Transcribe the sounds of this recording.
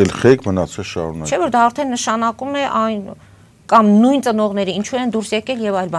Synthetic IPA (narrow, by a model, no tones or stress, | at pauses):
ɛlχɛkmənɑt͡sʰɛlʃɑ̰ɾunɑt͡ʃʰɛvɔɾd̪ɑːɾt̪ʰɛnːəʃɑnɑkumɛʔɑjn | kɑmnujnt͡sənɔʁn̪ɛɾəint͡ʃʰuɛnd̪uɾsjɛkɛljɛvɑjlbɑ